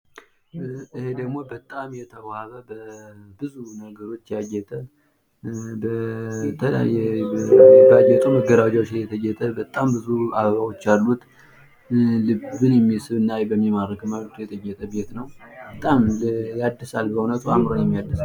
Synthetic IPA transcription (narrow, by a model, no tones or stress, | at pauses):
ɨhed̪əɡmo̞bət̪ʼamjɛt̪ʰəwhaβəbəbɨzunəɡəɾo̞t͡ʃːjajɛt̪ʼə | bət̪ʰəla̰jɛ | bajːɛt̪ʼuməɡəɾad͡ʒawot͡ʃːjɛt̪ʰəjɛt̪ʼəbət̪ʼambɨzuaββawo̞t͡ʃːalːut̪ | lɨbɨnjɛmːisɨβɨnːajbəmːimaɾəkmat̪jɛt̪ʼəjːɛt̪ʼəbe̞t̪nəwb̥ət̪ʼamjad̪ːisalbəunət̪ʰʼuamɾo̞njɛmːijad̪əs